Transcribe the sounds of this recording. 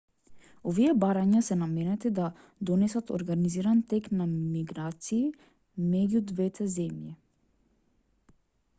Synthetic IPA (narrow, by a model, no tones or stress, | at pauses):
ɔviɛbaɾaɲasɛnamɛnɛt̪ɛd̪a | d̪ɔnɛsat̪ɔ̰ɾɡaniziɾant̪ɛknamiɡɾat̪siː | mɛɟud̪vɛt̪ʰɛzɛmji